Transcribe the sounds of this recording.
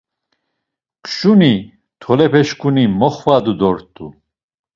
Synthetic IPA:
kʰʃuni | t̪ʰɔlɛpʰɛʃkʰunimɔχvad̪ud̪ɔɾt̪ʼu

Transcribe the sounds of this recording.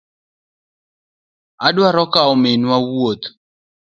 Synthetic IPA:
adwaɾɔkaɔmɪnwawot̪

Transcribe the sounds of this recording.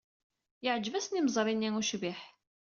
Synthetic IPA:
jəʕd͡ʒvæsnimzˤɾˤinːiŋuʃviħ

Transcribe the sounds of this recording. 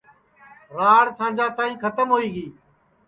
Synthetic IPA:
ɾaːɽsãːd͡ʒãːt̪aːĩːkʰət̪əmɦoːiːɡiː

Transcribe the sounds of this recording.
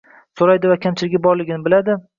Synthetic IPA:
soɾajd̪ɪvakʲʰamt͡ʃʰɪlɪɡʲabɒɾlɪɡʲɪnɪbɪlad̪ɪ

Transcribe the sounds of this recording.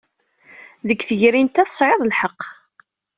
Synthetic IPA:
ðəkːθəʝɾint̪æθə̥sˤʕeðˤlħəqː

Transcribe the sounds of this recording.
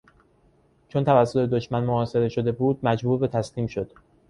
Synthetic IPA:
t͡ʃʰo̞nt̪ʰævæsːo̞t̪ʰe̞d̪oʃmænmoɒːse̞ɾe̞ʃod̪e̞buːd̪̚mæd͡ʒbuːɾbet̪ʰæsliːmʃo̞d̪̥

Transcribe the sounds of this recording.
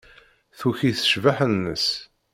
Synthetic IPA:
θuçiθə̥ʃvaħənːə̰s

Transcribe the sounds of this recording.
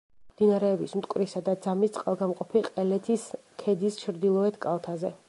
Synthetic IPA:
md̪inaɾɛːbismt̪ʼkʼwɾisad̪ad̪zamist̪sʼqʼalˠɡamqʼɔpʰiqʼɛlɛt̪ʰis | kʰɛd̪ist͡ʃʰɾd̪ilˠɔɛt̪ʰkʼalˠt̪ʰazɛ

